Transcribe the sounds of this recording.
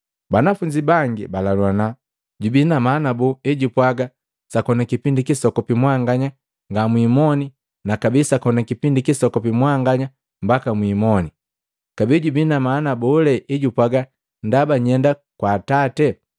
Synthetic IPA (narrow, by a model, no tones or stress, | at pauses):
banafuɲd͡ʒibaŋɡibalalwana | ɟubinamanabuiɟupwaɡa | sakɔnakipindikisɔkɔpimwaŋɡaɲa | ŋɡamwimɔni | nakabisakɔnakipindikisɔkɔpimwaŋɡaɲa | mbakamwiːmɔni | kabiɟubinamanabɔlɛʔiɟupwaɡa | ndabaɲɛnda | kwaːtatɛ